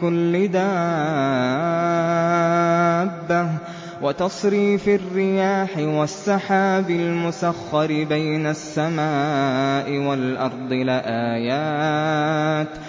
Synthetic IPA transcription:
ʊlːɪd̪a | bːa | wat̪ɑsˤɾiːfɪrːɪjaːħɪwasːɑħaːbɪlmʊsaxːɑɾɪbajnasːamaːʔɪwalʔɑɾˤd̪ˤɨlɪʔaːjaː | t̪

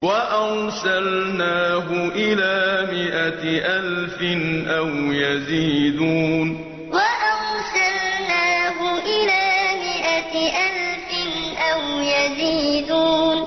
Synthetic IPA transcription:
waʔawsalnaːɦʊʔɪlaːmɪʔaʔalfɪnʔawjaziːd̪uːn | waʔawsalnaːɦʊʔɪlaːmɪʔaʔalfɪnʔawjaziːd̪uːn

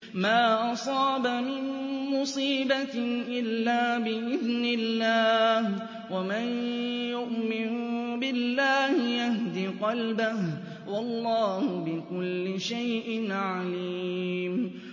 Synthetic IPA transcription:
maːʔɑsˤɑːbamɪnmʊsˤiːbat̪ɪʔɪlːaːbɪʔɪðnɪlːaːh | wamanjʊʔmɪnʊbɪlːaːhɪjahd̪iqɑlbah | wɑlˤːɑːhʊbɪkʊlːɪʃajʔɪnʕaliːm

